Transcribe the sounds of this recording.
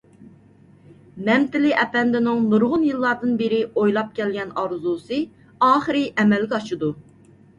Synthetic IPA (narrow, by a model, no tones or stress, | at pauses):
mɛmt̪ɪlɪʔɛpɛnd̪ɪnɪŋnuɾʁʊnjɨlˠːɑɾd̪ɨnbɪɾɪojlˠɑp̚kʲɛlɡʲɛnɑɾzusɨ | ɑːχɨɾɨʔɛmɛlɡʲɛɑʃɨd̪u